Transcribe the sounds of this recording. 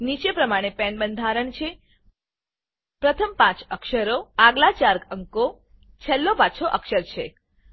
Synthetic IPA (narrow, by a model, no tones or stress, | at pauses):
nit͡ʃepɾəmaɽ̃epɛnbənd̪ʱaɾəɳt͡ʃʰe | pɾət̪ʰəmpãt͡ʃəkʃəɾoaɡlat͡ʃaɾkəŋko | t͡ʃʰɛlːopat͡ʃʰoʔəkʃəɾt͡ʃʰḛ